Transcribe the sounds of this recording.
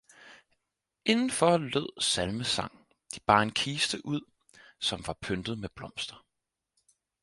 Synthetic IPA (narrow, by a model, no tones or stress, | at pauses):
e̝nn̩fɒlɔ̰ð̰ˠsælməsɑ̈ŋ̰ | d̥ib̥ɑ̈ːe̝nkʰiːsd̥əʔuð̰ˠ | sɒ̽mʋɑ̈pʰønd̥ð̩ˠmeb̥lɒ̽m̰sd̥ʁɐ